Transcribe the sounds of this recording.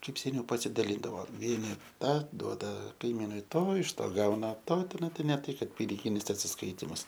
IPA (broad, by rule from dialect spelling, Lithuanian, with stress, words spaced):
ˈkɐɪp sʲɛˈnʲɛʊ pɐsʲɪdɐˈlʲiːndɐʋoː ˈʋʲiɛnʲɪ ˈtɑː ˈduɔdɐ kɐɪˈmʲiːnʊɪ ˈtoː ɪʃ ˈtoː ˈɡɐʊnɐ ˈtoː tʲɪˈnɐɪ nʲɛ ˈtɐɪ ˈkɐt pʲɪnʲɪˈɡʲɪnʲɪs ɐtʲsʲɪsˈkɐɪtʲɪmʊs